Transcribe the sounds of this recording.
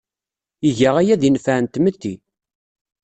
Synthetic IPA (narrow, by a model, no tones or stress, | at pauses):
iʝəʁæjæðənfænt̪mət̪ːi